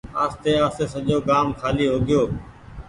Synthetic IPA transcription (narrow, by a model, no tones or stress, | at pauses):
aːst̪eːaːseːsəʄoːkaːmkʰaːliːɦoːɡɪjoː